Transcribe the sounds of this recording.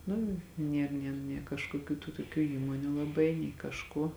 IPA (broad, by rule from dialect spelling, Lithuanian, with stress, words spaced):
ˈnʊ ˈnʲeːr nʲeː nʲeː kɐʃkoːˈkʲuː tuː toːˈkʲuː ˈiːmoːnʲuː lˠɐˈbɐɪ nʲɛɪ kɐʃˈkoː